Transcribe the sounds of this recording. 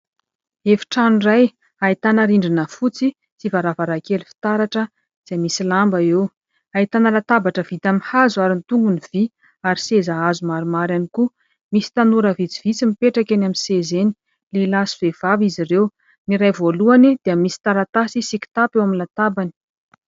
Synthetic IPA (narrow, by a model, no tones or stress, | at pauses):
efi̥ʈ͡ʂanuraj | ait̪anəɾiɳɖ͡ʐinəfut͡si | t͡sivaɾavaɾakelifi̥t̪aɾaʈ͡ʂə | z̥emisilambaew | ait̪anəlat̪abaʈ͡ʂəv̥it̪amihazuaɾint̪uŋɡuniv̥i | aɾisezaazumaɾumaɾaniku | misi̥t̪anuɾəvit͡si̥v̥it͡simipeʈ͡ʂakenaminsezeni | leilasivev̥avizirew | niɾajvoluanid̪̥iəmisi̥t̪aɾat̪asisiki̥t̪apewaminlat̪abani̥